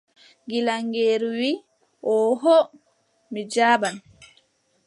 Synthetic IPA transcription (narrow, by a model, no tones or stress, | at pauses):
ɡilaŋɡeːɾuwiː | ʔɔɦɔ | mid͡ʒaːban